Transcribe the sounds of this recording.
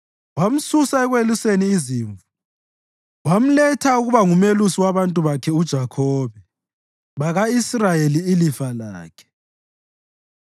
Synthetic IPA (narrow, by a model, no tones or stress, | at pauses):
wam̩susaɛɣweluseniːziːɱvu | wam̩lɛtʰauɣuβaŋumelusiwaβantʼuβakʰɛud̥ʒ̥ʱakʰɔːβɛ | βaɣaisrajeliːlifala̰ːkʰɛ̥